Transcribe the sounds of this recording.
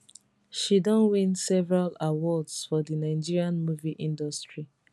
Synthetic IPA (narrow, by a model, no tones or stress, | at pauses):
ʃidɔ̃nwĩnsɛvɛɹalawɔdsfɔdinaɪ̃d͡ʒiɹiãnmuviʔĩndɔstɹi